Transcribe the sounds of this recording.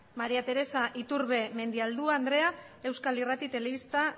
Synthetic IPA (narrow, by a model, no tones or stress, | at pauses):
maɾiat̪e̞ɾe̞saʔit̪uɾβe̞me̞nd̪iald̪uaːnd̪ɾe̞a | e̞wskalirat̪it̪e̞le̞βist̪a